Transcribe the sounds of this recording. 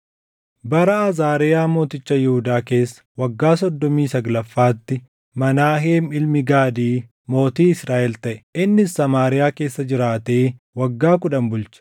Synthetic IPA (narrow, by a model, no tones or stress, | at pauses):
bɐɾɐɐzaːɾɪjaːmo̞ːt̪ɪt͡ʃːɐjɛhʊd̪aːke̞ːsːɐ̥wɐɡːaːsɔd̪ːɔmiːsɐɡlɐfːaːt̪ːɪ | mɐnaːɦeːmɪlmɪɡaːd̪iː | mo̞ːt̪iːɪsɾaːʔɛlt̪ɐʔɛ̥ʔɪnːɪsːɐmaːɾɪjaːke̞ːsːɐd͡ʒɪɾaːt̪eː | wɐɡːaːkʊᶑɐmbʊlt͡ʃɐ̥